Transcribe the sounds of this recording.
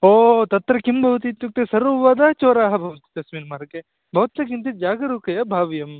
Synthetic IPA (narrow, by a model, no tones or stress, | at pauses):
oːt̪ɐt̪ːɾɐkimbʱɐʋt̪̬it̪juk̚t̪esɐɾʋɐːd̪at͡ʃoːɾaːɦɐbʱɐʋɐt̪i̥t̪ːɐsʋinmɐːɾɐke | bʱɐʋɐt̪ːɐkint̪id͡ʒaːɡɐɾuːkɐjɐbʱaːʋjɐm